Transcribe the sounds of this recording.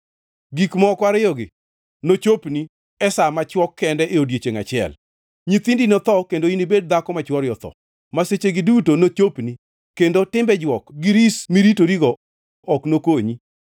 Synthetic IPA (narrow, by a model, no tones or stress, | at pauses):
ɡikmɔkwaɾɪjɔɡɪ | not͡ʃopni | ɛsamat͡ʃwɔkʰːɛndɛʔeodjet͡ʃeŋat͡ʃɪɛ̰l | ɲit̪indinɔt̪ɔkendoinibed̚d̪akɔmat͡ʃwɔɾjɔt̪ɔ̰ | maset͡ʃeɡɪdutonot͡ʃopni | kendotɪmbɛd͡ʒwɔkɡɪɾismiɾitoɾiɡɔ | ɔknokoɲi